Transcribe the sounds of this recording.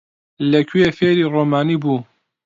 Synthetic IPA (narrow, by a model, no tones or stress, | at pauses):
lɐkʰɥefeːɾiroːmaːniːbuː